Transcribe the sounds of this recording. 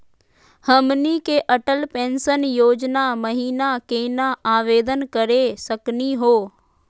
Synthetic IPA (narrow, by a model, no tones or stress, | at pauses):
həmnikeʔɐʈəlpẽːnsənjoːd͡ʒnaməɦiːnakeːnaaːʋeːd̪ənkəɾesəkniɦoː